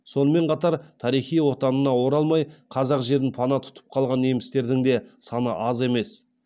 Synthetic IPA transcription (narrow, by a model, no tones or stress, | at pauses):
so̞nəme̞ɴqʰɑt̪ɑɾt̪ʰɑɾijχijwo̞t̪ɑnənɑwo̞ɾɑlˠmɑjqʰɑzɑqʒe̞ɾɪnpʰɑnɑt̪ʰʊ̥t̪ʰə̥p̚qʰɑlˠʁɑnemɪst̪e̞ɾd̪ɪŋd̪e̞sɑnəʔɑze̞me̞s